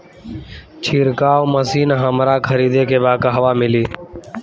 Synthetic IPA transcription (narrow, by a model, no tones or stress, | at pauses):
t͡ʃʰiːɾkaːwməsiːnɦəmɾaːkʰəɾiːd̪eːkʰeːbaːkɦəʋaːmɪliː